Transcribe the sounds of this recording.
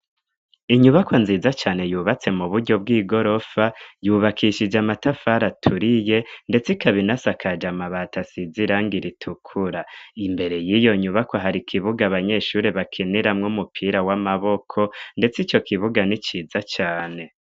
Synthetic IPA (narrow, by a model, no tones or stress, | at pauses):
iɲuβakʰonziːzat͡ʃaːne̞juːβat͡se̞muβuɾɟo̞b̚ɡiːɡo̞ɾo̞fajuːβakʰiʃid͡ʒamatafaɾatʰuɾije̞nde̞t͡sikaβinasakʰad͡ʒamaβatasiziɾaːŋɡiɾitʰukʰuɾaimbe̞ɾe̞jijo̞ɲuβako̞ɦaɾikʰiβuɡaβaɲe̞ʃuɾeβakʰeniɾamŋumupʰiːɾawamaβo̞kʰo̞nde̞t͡sit͡ʃo̞kʰiβuɡanit͡ʃiːzat͡ʃaːne̞